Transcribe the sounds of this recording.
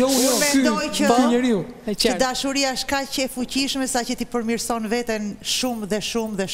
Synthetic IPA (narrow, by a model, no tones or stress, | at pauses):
jɔumɛnd̪ɔjəbɲəɾiu | əd̪aʃuɾiaʃkacəɛfuciʃmɛsacət̪ipəɾmiɾsɔnvɛt̪ɛnʃumðɛʃumðɛ